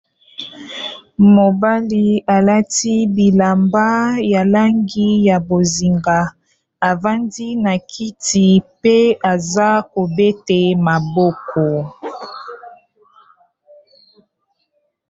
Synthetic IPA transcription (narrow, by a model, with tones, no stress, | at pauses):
mo˨ba˦li˦a˨la˦ti˦bi˨la˨mba˦ja˨la˦ŋɡi˦ja˨bo˨zi˨ŋɡa˨ | a˨va˦ndi˦na˨kʰi˦ti˨pe˦a˨za˦ko˨be˦te˨ma˨bɔ˦kʰɔ˨